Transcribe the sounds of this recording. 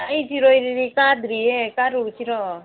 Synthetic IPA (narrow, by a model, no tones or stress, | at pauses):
ait͡ʃiɾojɾiɾikad̪ɾiekaɾut͡ʃʰiɾɔ